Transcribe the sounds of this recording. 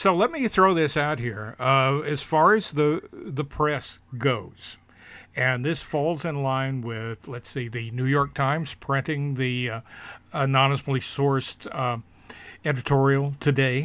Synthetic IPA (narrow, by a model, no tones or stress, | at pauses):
soʊlɛt̚miθɹoʊðɪsaʊt̚hiɹɨz̥fɑɹɨzðɨðəpʰɹ̥ɛsɡ̥oʊz̥ | ɨ̃nðɪsfɔlˠzɨ̃nlãɪ̃nwɪðlɨtseɪðɨnʉjɔɹk̚tʰãɪ̃mz̥pʰɹ̥ɪ̃ntɪ̃ŋði | ənɑnəsmlisɔɹst | ɛɾɨtʰɔɹil̩ˠtʰɨdeɪ